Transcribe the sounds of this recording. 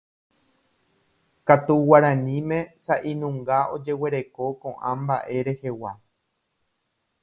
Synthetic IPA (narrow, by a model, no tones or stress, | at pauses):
kat̪uwaɾãnĩmẽ̞saʔinũŋɡao̞d͡ʒe̞we̞ɾe̞ko̞kõʔãmbaʔe̞ɾe̞he̞wa̰